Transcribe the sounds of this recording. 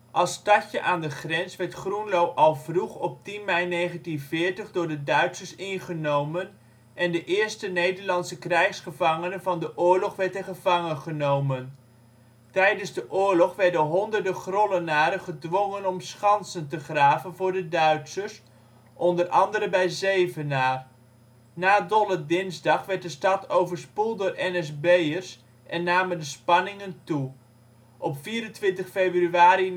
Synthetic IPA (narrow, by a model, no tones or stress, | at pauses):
ʔɑlˠstɑcəʔaːndəχrɛnsʋɛɹtχrunlowʔɑlˠvruχɔp̚tinmɛjnejχəntinvɪːɹtəχdʊːɹdədœɥtsəɹsɪnχənowmən | ʔɛndəʔɪːɹstənejdəɹlɑnsəkrɛjχsχəvɑŋənənvɑndəʔʊːɹlɔχʋɛɹtəχəvɑŋənχənowmən | tɛjdənzdəʔʊːɹlɔχʋɛɹdənɦɔndəɹdəχrɔlənaːɾəχədʋɔŋənɔmsχɑnsəntəχraːvənvʊːɹdədœɥtsəs | ʔɔndərʔɑ̰ndəɾəbɛjzejvənaːr | naːdɔlədɪnzdɑχʋɛɹt̚dəstɑtowvəɹspulˠdʊːrɛnɛsbejərs | ʔɛnːaːməndəspɑnɪŋəntu | ʔɔpfiːɾəntʋɪntəχfejbryaːɾi